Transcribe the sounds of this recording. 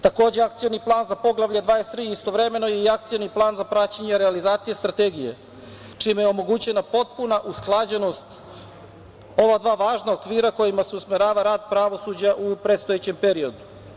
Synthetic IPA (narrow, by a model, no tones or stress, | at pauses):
t̪ako̞ːd͡ʑeak̚t̪sijoniplˠaːnzapo̞ɡlˠaʋʎʲad̪ʋaːest̪ɾiːist̪o̞ʋɾeme̞no̞jeiakt̪sijoniplˠaːnzapɾat͡ɕeɲeɾealizaːt̪sije̞st̪ɾat̪eɡijḛ | t͡ʂimejeo̞mo̞ɡut͡ɕe̞napo̞t̪̚punaʔusklˠad͡ʑeno̞st̪ | o̞ʋad̪ʋaːʋaːʒnaokʋiːɾako̞jimaseusmeɾaːʋaɾaːd̪pɾaʋo̞sud͡ʑaʔupɾet̪st̪o̞jet͡ɕe̞mpeɾio̞d̪u